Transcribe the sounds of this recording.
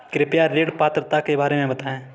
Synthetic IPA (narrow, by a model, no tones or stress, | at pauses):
kɾɪpjaɾeːɽpaːt̪ɾət̪akebaːɾemẽbɐt̪aẽː